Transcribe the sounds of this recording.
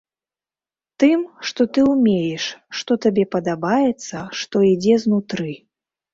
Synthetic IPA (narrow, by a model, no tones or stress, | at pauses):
t̪ɨmʂt̪ɔt̪ɨumʲejɛʂːt̪ɔt̪abʲɛpɐd̪abajɛt̪sːɐʂt̪ɔid͡zʲɛznut̪ɾɨ